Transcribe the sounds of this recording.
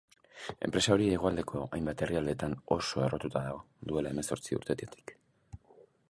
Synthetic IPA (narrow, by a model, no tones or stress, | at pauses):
e̞̰mpɾe̞sao̞ɾieɣ̞o̞ald̪e̞kʰo̞ajmbat̪e̞riald̪e̞t̪ano̞so̞e̞ro̞t̪ut̪aðaɣo̞ | ðue̞lae̞me̞so̞ɾt͡siṵɾt̪e̞t̪iet̪ʰi̥k